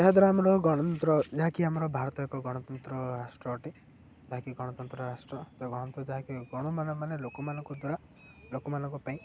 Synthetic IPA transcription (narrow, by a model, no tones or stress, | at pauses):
d͡ʒ̪eɦad̪ɔɾeamɔɾɔɡɔɽ̃ɔnɔnt̪ɾɔd͡ʒaɦakiamɔɾɔbʱaɾt̪ɔekɔɡɔɽ̃ɔt̪ɔnt̪ɾɔɾasʈɾɔːʈi | d͡ʒaɦakiɡɔɽ̃ɔt̪ɔnt̪ɾɔɾasʈɾɔt̪ɔɡɔɽ̃ɔnt̪ɾɔd͡ʒaɦakiɡɔɽ̃ɔmanɔmanelokɔmanɔ̃ŋkɔd̪waɾa | lokɔmanɔŋkupaĩ